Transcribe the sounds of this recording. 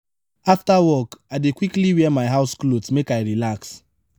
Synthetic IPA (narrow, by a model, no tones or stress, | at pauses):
aftawɔkaɪdekwikliwimaɪɦaʊsklotmekajɹilaks